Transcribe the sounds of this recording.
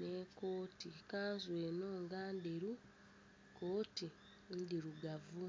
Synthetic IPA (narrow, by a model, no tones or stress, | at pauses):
neko̞ːtikaːnzweːno̞ːŋɡaːndeɾu | kʰo̞ːti | ndiɾuɡavu